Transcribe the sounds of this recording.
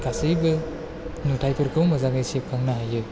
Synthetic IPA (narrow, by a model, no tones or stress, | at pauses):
kʰasɯjbɯ | nutʰajpʰɯɾkʰɯwmazaŋɯjsiep̚kʰaŋnaɦajɯ